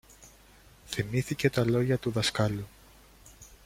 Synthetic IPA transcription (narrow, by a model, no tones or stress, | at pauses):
θimiθice̞t̪ɐlo̞ʝɐt̪uðɐskɐlu